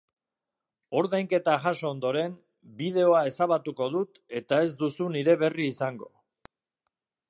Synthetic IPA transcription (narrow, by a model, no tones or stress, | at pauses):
o̞ɾðajŋke̞t̪aʝaso̞ːnd̪o̞ɾe̞n | biðe̞o̞ae̞saβat̪uko̞ðut̪e̞t̪ae̞zd̪usuniɾe̞βe̞riːsaŋɡo̞